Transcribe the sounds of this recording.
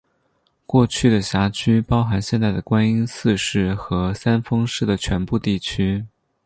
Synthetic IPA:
kwɔ˥˧t͡ɕʰy˥˩d̪ə˩ɕja˧˥t͡ɕʰy˥pɑ˥ʊxa˧˥nɕjɛ˥˧nt͡sa˥˩ɪd̪ə˩kwa˥ni˥nsɹ̩˥˧ʂɻ̩˥˩xɤ˧˥sa˥nfɤ˥ŋʂɻ̩˥˩d̪ə˩t͡ɕʰɥɛ˧˥npu˥˧t̪i˥˩t͡ɕʰy˥

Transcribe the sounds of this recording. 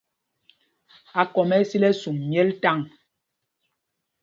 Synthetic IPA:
a˨kɔ˨mɛ˦si˦lɛ˦su˨mmjɛ˦lta˦˨ŋ

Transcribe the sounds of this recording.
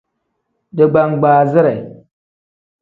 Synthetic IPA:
də˨ɡ͡ba˨ŋɡ͡baː˨zi˦ɾa˨i˨

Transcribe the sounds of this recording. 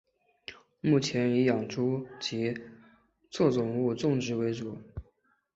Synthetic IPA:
mu˥˩t͡ɕʰjɛ˧˥ni˧˥jɑ˨˩ŋʈ͡ʂʰu˥t͡ɕi˧˥ | t͡swɔ˥˩t͡sʊ˨˩ŋu˥˧ʈ͡ʂʊ˥˩ŋʈ͡ʂɻ̩˧˥we˧˥ɪt͡su˨˩˦

